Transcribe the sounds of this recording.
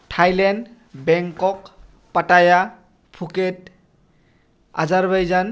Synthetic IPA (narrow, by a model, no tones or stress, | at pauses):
ʈʰajlɛnd | bɛŋkɔk | pataja | pʰuket̚ | a̰zaɹbajzan